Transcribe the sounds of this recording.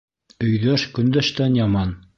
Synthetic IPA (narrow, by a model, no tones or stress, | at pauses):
ɵ̆jðæʃkɵ̆nd̪æʃt̪ænjɑmɑn